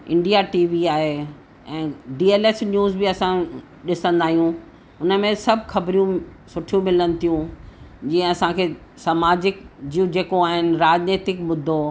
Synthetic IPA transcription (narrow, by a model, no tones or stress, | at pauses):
ɪ̃ɳɖijaʈiːʋiaːɦe | ɛ̃ːɖiːeːleːsnjuːzbɪɐsã | ɗɪsə̃nd̪aːɦijũ | ʊnə̆mẽsɐbʱxɐbɾijũ | sʊʈʰijũmɪlənɪ̆t̪ʰijũd͡ʑĩːə̃ɐsãkʰeːsamaːd͡ʑɪkd͡ʑijũd͡ʑeːkoaːɦɪnɪ̆ɾaːd͡ʑneːt̪ɪkmʊd̪ʱːo